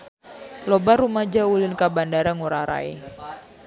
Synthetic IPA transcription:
lobarumad͡ʒaulɪnkabandaɾaŋuɾaɾa̰ḛ

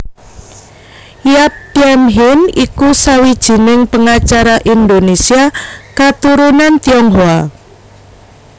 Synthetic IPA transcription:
jap̚diɛmɦɪnikusawid̥ʒ̥i̤nɪŋpəŋat͡ʃaɾaʔind̪onesiakat̪uɾunant̪iɔŋɦua

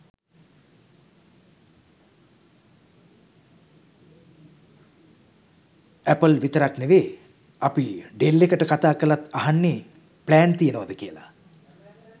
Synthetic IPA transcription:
æpəlʋit̪əɾakneʋeː | apiɖelːekəʈəkat̪aːkəlat̪aɦanːe | plæːnt̪ijənəʋad̪əkiəla̰

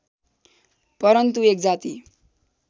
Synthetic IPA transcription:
pʌɾʌnt̪uek̚d͡zat̪i

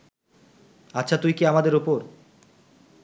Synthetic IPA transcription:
aːɕʰat̪ujkiamad̪eɾupoɾ

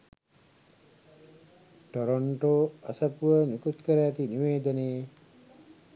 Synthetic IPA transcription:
ʈoɾoɳʈoːasəpuʋənikut̪kəɾəæt̪iniʋeːd̪əneje

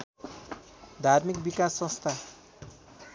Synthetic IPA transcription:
d̪ʱarmikbikasːʌ̃st̪ʰa

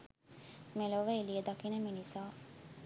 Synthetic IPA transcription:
meloʋəelied̪akinəminisaː

